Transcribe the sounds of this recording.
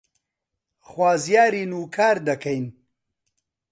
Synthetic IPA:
xwaːzjaːɾinuːkʰaːɾd̪ɐkɐjn

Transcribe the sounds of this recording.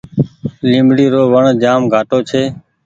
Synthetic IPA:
lĩːmbɽiːɾoːʋəɳd͡ʒaːmɡʱaːʈoːt͡ʃʰeː

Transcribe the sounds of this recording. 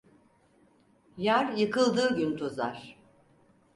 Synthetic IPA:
jæɾjɯkʰɯlˠd̪ɯːɟynt̪ʰozaɾ̥

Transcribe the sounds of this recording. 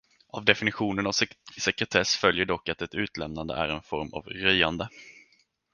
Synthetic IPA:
avd̪ɛfɪnɪɧuːnənavsɛkɾɛt̪ʰɛsfœljəɖɔkːat̪ɛt̪ʉ̟ːt̪lɛmnand̪ə̰ʔæ̰ɾɛnfɔɾma̰vɾœjand̪ə

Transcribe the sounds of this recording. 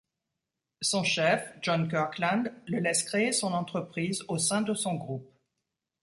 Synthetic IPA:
sɔ̃ʃɛfʒɔnkœʁklɛ̃nd̪ləlɛskχeːsɔ̃nɑ̃t̪χəpχizosɛ̃d̪əsɔ̃ɡʁup̚

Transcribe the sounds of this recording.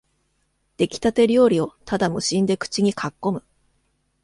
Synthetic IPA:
d̪̥e̞kʲi̥t̪at̪e̞ɾʲo̞ːɾʲio̞t̪ad̪amo̟ɕĩnd̪e̞kɯ̟̥t͡ɕiɲ̟ikʰakːo̞mɯ̟

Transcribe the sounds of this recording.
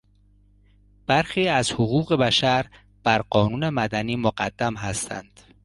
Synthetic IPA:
b̥æɾxiːæzhoɣuːɣe̞bæʃæɾ | b̥æɾɢɒːnuːne̞mæd̪æniːmoɢæd̪ːæmɦæst̪ʰæ̰nd̪̥

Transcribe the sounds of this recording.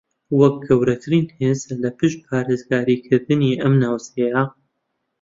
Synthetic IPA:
wɐk̚ɡɐwɾɐt̪ʰɨɾiːnhezɐlɐpɨʃt̪̚pʰaːɾeːzɡaːɾiːkʰɨɾd̪ɨniːʔɐmnaːwseja

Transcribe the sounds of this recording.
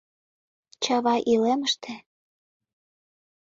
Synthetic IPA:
t͡ɕɑβɑʔileməʃt̪ʰĕ

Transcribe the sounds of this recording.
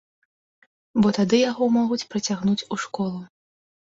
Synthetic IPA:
bɔt̪ad̪ɨjaɣɔmɔɣut͡sʲpɾɐt͡sʲaɣnut͡sʲuʂkɔlˠu

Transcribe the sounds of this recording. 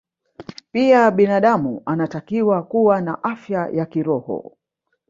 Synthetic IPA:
piaɓinaɗamuanatakiwakuwanaʔafjajakiɾɔhɔ̰

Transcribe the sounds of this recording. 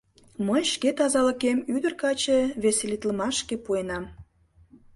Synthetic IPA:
məjʃket̪ɑzɑləkemyd̪ərkɑt͡ɕeβeselit̪ləmɑʃkepuenɑm

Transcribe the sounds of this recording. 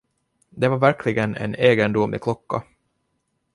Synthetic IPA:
d̪ɛvaɾvæɾkʰlɪɡənɛ̰neːɡənd̪ʊmɪ̰kʰlɔkːa̰

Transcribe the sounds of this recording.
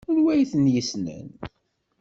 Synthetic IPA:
ʊɾwæjθənjəsnə̰n

